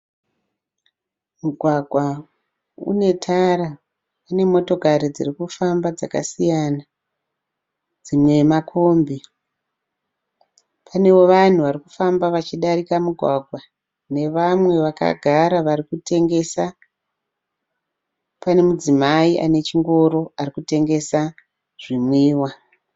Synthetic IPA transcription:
muɡʱwaɡʱwa | ṵne̞tʰaɾa | pane̞mo̞to̞kaɾid͡zirikufambad͡zaka̰sijana | d͡zimwe̞makʰo̞mbi | pʰane̞wo̞ʋan̤uʋariku̥fambaʋat͡ʃiɗaɾikamuɡʱwaɡʱwa | ne̞ʋamwe̞ʋaka̰ɡʱaɾaʋarikute̞ŋɡe̞sa | pane̞mud͡zimaiʔa̰ne̞t͡ʃiŋɡo̞ɾo̞arikute̞ŋɡe̞sa | ʐ̥imwiːwa

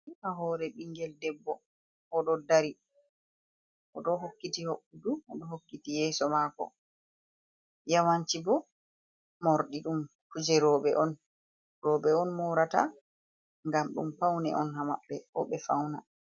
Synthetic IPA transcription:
ʔaɦɔːɾɛɓiŋɡɛldɛbːɔ | ʔɔɗɔdaɾi | ʔɔɗɔɦokːitihoɓːuduɔɗɔhokːitijɛːsɔmakɔ̰ | jawaɲt͡ʃibɔ | mɔɾɗiɗumkud͡ʒɛɾɔːɓɛʔɔn | ɾɔɓɛɔnmɔɾata̰ | ŋɡamɗṵmpawnɛ̰ʔɔnɦama̰ɓːɛʔɔ̰ɓɛfawna̰

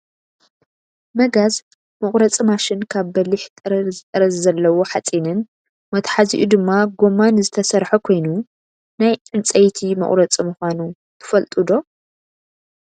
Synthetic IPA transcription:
mɐɡaz | mɨχʼɾɐt͡sʼimaʃɪnkʰaβbɐliħt̪ʼɨɾɐzɨt̪ʼɐɾɐzzɐlːɐwoħat͡sʼinɨn | mɐt̪ħazḭʔud̪ɨmːaɡo̞mːanzɨt̪ʰɐsɐɾħukʰo̞jnu | najʔɨnt͡sʼɐjt̪ʰimɐ̰χʼɾɐt͡sʼimɨxʷanu | t̪ʰɨ̥fɐlt̪ʼɨd̪o̞

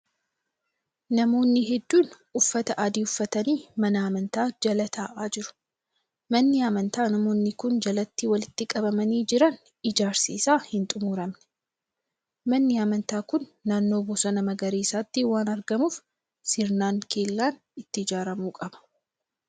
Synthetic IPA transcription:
nɐmo̞ːnːɪɦɛd̪ːuːn | ʊfːɐt̪ɐʔɐd̪iːʊfːɐt̪ɐniːmɐnɐɐmɐnt̪aːd͡ʒɐlɐt̪ʰaːʔaːd͡ʒɪɾʊ̥ | mɐnːɪɐmɐnt̪aːnɐmo̞ːnːɪkʊnd͡ʒɐlɐt̪ːiːwɐlɪt̪ːɪkʼɐbɐmɐniːd͡ʒɪɾɐn | ɪd͡ʒaːɾsḭːsaːhɪnt̪ʼʊmuːɾɐmnɛ̥ | mɐnːɪɐmɐnt̪aːkʊnːaːnːo̞ːbuːsɐnɐmɐɡɐɾiːsaːt̪ːiwaːnɐɾɡɐmuːf | sɪɾnaːŋkʰe̞ːlːaːn | ɪt̪ːɪɪd͡ʒaːɾɐmuːkʼɐb̥ɐ̥

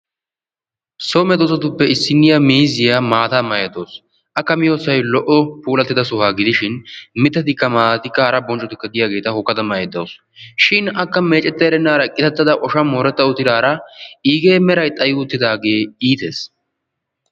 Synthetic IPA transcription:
soːmɛd̪oːsɐt̪ʊpːɛɪsːɪnːɪjɐmiːzɪjaːmaːt̪amɐjɛd̪oːs | ʔɐkːɐmɪjoːsɐjlɔʔɔpuːlɐt̪ːɪd̪ɐsʊhaːɡɪd̪ɪʃɪnmɪt̪ːɐt̪ɪkːɐmaːt̪ɪkːɐɐɾɐbɔnt͡ʃʼːɔt̪ɪkːɐɡ̪ɪjaːɡe̞ːt̪ɐhʊkːɐd̪ɐmɐjɛd̪oːs | ʃɪnɐkːɐme̞ːt͡ʃʼɛt̪ːɐjɾɛnːaːɾɐkʼːɪt̪ɐt̪ːɐd̪ɐʔɔʃɐmoːɾɛt̪ːɐʊt̪ːɪɾaːɾɐiːɡeːmɛɾɐjt̪ʼɐjʊʊt̪ːɪd̪aːɡe̞ːiːt̪eːs

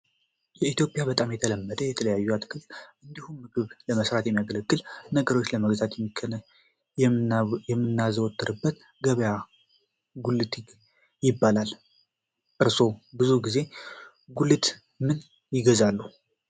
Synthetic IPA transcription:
jɛit̪jo̞pʼjabət̪ʼamjɛt̪ʰələmːəd̪əjɛt̪ʰələjajːuat̪kʰɨlʔɨnd̪ihumːɨɡɨβləməsɾat̪jɛmːjaɡələɡːɨlnəɡəɾo̞t͡ʃːləməɡzat̪jɛmːʰ | jɛmːɨnːazəwɔt̪ʼːɨɾɨbːət̪ | ɡəβəja | ɡulɨt̪ | jɪbːalal | ʔɨɾso̞bɨzuɡize̞ | ɡulɨt̪ | mɨn | jɪɡəzalːu

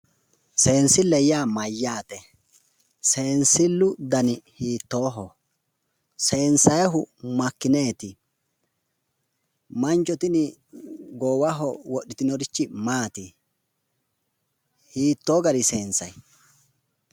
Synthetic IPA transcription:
se̞ːnsɪlːɛjaːmɐjːaːt̪ɛ | se̞ːnsɪlːʊd̪ɐnɪhiːt̪ːoːɦɔ | se̞ːnsɐjɛɦʊmɐkːɪneːt̪ɪ | mɐnt͡ʃɔt̪ɪnɪ | ɡoːwɐɦɔwɔʔːɪt̪ɪnɔɾɪt͡ʃːɪmaːt̪ɪ | hiːt̪ːo̞ːɡɐɾɪse̞ːnsɐj

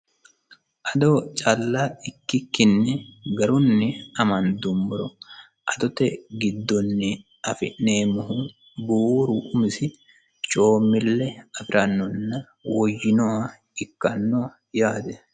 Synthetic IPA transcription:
ʔɐd̪ɔt͡ʃʼɐlːaɪkːɪkːɪnːɛɡɐɾʊnːɪɐmɐnd̪ʊmːʊɾɔ | ʔɐd̪ɔt̪ɛɡɪd̪ːɔnːɪ | ʔɐfɪ̰ʔneːmʊhu | buːɾʊʔʊmɪsɪ | t͡ʃʼoːmːɪlːɛɐfɪɾʔɐnːɔnːɐ | wɔjːɪnɔwɐ | ɪkːɐnːɔ | jaːd̪ɛ

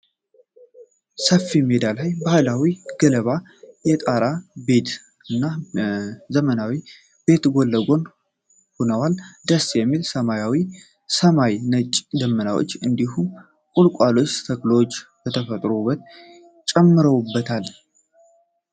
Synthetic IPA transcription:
səfːimed̪alajbahlawiɡ̥ələβa | jɛt̪ʼaɾabe̞t̪ | ɨnːa | zəmənawi | b̥e̞t̪ɡolːəɡo̞n | ho̞nəwald̪əsjɛmːilsəmajawi | səmajnət͡ʃʼd̪əmːənawo̰t͡ʃːɨnd̪ihum | kʼulkʼalo̞t͡ʃːt̪ʰəkʼlowot͡ʃːbət̪ʰəfət̪ʼɾobət̪̚ | t͡ʃʼɛmːɨɾəwbːət̪ʰal

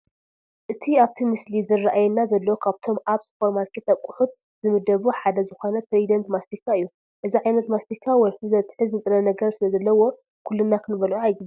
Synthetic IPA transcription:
ʔɨt̪ʰiaβt̪ʰimɨslizɨrːaʔajɛnːazɐlːɐwokʰaβt̪ʰo̞mʔaβsfoɾmalkʰet̪ʰakʼuħut̪ | zɨmɨd̪ɐβuħad̪ɐzɨxo̞nɐt̪ʰɾed̪ɐnt̪mast̪ikʰːaɨjːu | ʔɨziʕajnɐt̪mast̪ikʰːawɐjfɨzɐt̪ʼħɨznɨt̪ʼɨɾɐnɐɡɐɾsɨlɐzɐlːɐwo̞ | kʰulːɨnːakʰɨnɨβɐlʕuajɡɨb

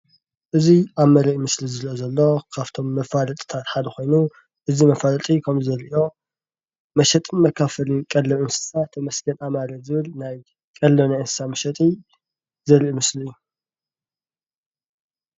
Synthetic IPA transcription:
ʔɨziʔaβmɐɾɐʔmɨslizɨɾiʔozɐlːo̞kʰaβt̪ʰo̞mːɐfalɐt̪ʼt̪ʰat̪ħad̪ɐxo̞jnu | ʔɨzimɐfalɐt̪ʼikʰɐmzɐɾiʔio̞ | mɐʃɛt̪ʼɨnmɐkʰːafɐlɨnkʼɐlːɐɨnsɨ̥sat̪ʰɐmɐsɡɐnʔamaɾɐzɨβɨlnaj | kʼɐlːɐnajʔɨnsɨ̥samɐʃɐt̪ʼi | zɐɾiʔumɨsliɨjːu

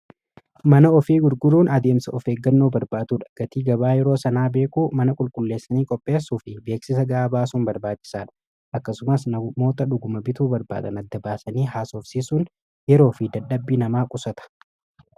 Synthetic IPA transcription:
mɐnɐɔfiːɡʊɾɡʊɾuːnɐd̪e̞ːmsɐɔfe̞ːɡːɐnːoːbɐɾbaːt̪uːᶑɐ̥ɡ̥ɐt̪iːɡɐbaːjɛɾoːsɐnaːbe̞ːkʼuːmɐnɐkʼʊlkʼʊlːe̞ːsːɐniːkʼɔpʼːe̞ːsuːfɪbe̞ːksɪs̬ɐɡɐʔaːbaːsuːnbɐɾbaːt͡ʃːɪ̥saːᶑɐ̥ | ʔɐkːɐsʊmɐsnɐmo̞ːt̪ɐᶑʊɡʊmɐbɪt̪uːbɐɾba̰ːd̪ɐ̰nɐd̪ːɐbaːsɐniːɦaːsoːfsiːsʊːn | jɛɾo̞ːfɪd̪ɐᶑɐbːiːnɐmaːkʼʊsɐt̪ɐ̥

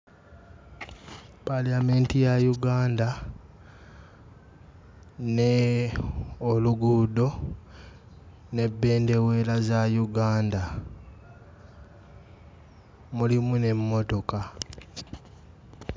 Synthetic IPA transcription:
palame̞ntijajuɡaːnda | ne | oluɡudo̞ | ne̞bːe̞ːnde̞we̞lazajuɡaːnda | mulimune̞mːo̞to̞ka

